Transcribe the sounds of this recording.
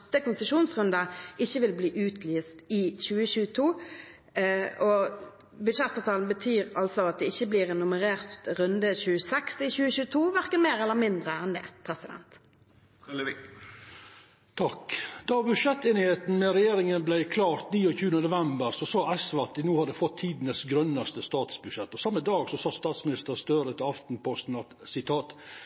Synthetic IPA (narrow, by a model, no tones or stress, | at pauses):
t̪ːəkʊnsəʂuːnsʁʉnd̪ɑɪçːəʋɪlbliːʔʉːt̪ʰlyːst̪ɪçʉːəɕʉːət̪ʰuː | ʔɔ | bʉd̪ʃɛt̪ːɑːʋt̪ʰɑːln̩bət̪ʰyːʁɑlt̪sɔɑt̪̚d̪ɛɪçːəbliːʁnːʊməʁeːʁt̪ʁʉnd̪əçʉːəsɛkst̪ɪçʉːəçʉːət̪ʰuːʋæʁkənmeːɾɛlːəmɪnd̪ʁəɛːnlɪ̰pʰʁɛsɪd̪ɛ̰nt̪ | t̪ʰɑkd̪̥ɑbʉʂɛt̪ːeːnɪheːt̪n̩mɛɾɛjeːɾɪŋənblæɪkʰlɑːɾt̪niːɔçʉːənənʊʋɛmbəɾsɔsɑːɛsʋɑɑt̪̚d̪ɪnuːhɑd̪əfɔt̪ʰːiːd̪nəsɡɾœnːɑst̪əst̪ɑːt̪sbʉd̪ʂɛt̪ːɔsɑmːəd̪ɑːɡsɔsɑst̪ɑːt̪smɪnɪst̪əɾst̪øːɾət̪ʰɪlɑft̪n̩pʰɔst̪n̩ɑt̪sɪt̪ʰɑːt̪